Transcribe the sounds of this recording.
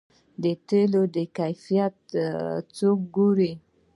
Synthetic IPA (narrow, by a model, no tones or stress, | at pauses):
d̪ət̪elod̪əkajfijat̪t͡sok̚ɡuɾi